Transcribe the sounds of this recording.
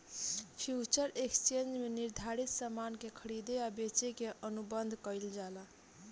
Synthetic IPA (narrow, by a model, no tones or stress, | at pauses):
pʰjut͡ʃəɾekst͡ʃend͡ʒmeniɾd̪ʱaɾit̪samankekʰəɽid̪eabet͡ʃekeʔənubənd̪ʱkəjld͡ʒala